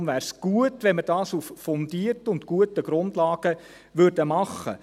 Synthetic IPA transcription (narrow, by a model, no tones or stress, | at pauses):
nʋæːɾsɡ̥uətʋɛnməd̥ɑːsuffɔndiərtʊntɡ̥uətəɡ̥ɾʊndlɑːɡ̥ə | ʋʏɾdəmɑχːə̰